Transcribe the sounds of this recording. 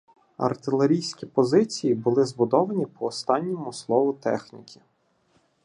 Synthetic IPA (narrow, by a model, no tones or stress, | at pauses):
ɐ̰rt̪ɪlˠeɾʲijsʲkʲipɔzɪt͡sʲijibʊlˠɪzbʊd̪ɔʋɐnʲipɔːst̪ɑnʲːɔmʊslˠɔʋʊt̪ɛ̰xnʲikʲʰi̥